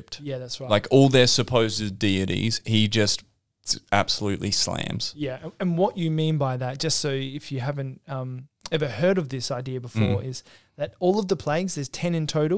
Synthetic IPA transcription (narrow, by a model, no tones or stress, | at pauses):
p̚tjæðætsɹaɪlaɪkʰɔlˠðə˞sɨpʰoʊzdɨdiɨɾḭz̥hid͡ʒʌst̚ | æ̰b̥səlʉʔˡlislæ̰̃mz̥jæɨ̃ɨ̃nwʌt͡ʃɨmĩnbaɪðɨt̚d̥ʒ̥ʌstsoʊɪfjɨɦævɨ̃ntʌ̃m | ɛvə˞hɜ˞ɾʌvðɪsaɪdiɨbəfɔ̰ɹɪz̥ | ðɨɾɔlˠʌvðəpʰl̥æɪɡzðə˞z̥tʰɛ̃nɨ̃ntʰoʊɾl̩ˠ